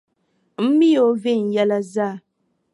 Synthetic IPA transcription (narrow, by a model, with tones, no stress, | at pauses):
m̩˦mi˦jo˦ve˦˨n̩˨jɛ˦la˦zaː˦˨